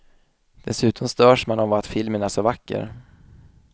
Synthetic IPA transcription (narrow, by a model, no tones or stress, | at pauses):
d̪̥ɛsʉ̟ːt̪ʰɔmst̪œːʂmanɔmvaat̪fɪlmənæsɔvakːə̰ɾ